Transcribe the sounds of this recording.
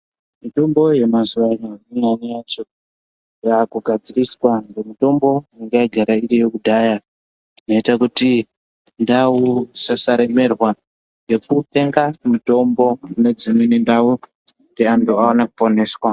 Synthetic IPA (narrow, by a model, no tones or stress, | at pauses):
mito̞mbo̞je̞mazuʋainoinanijaːt͡ʃo̞ | jakuɡʱad͡ziriswaŋɡomito̞mbo̞aŋɡaiɡʱaɾairejokudʱaːja | rinoitakuti | ndausasaɾe̞me̞rwa | ŋɡe̞kupe̞ŋɡamito̞mbo̞une̞d͡zimwenendau | ndeantuaonakupo̞ne̞ːswa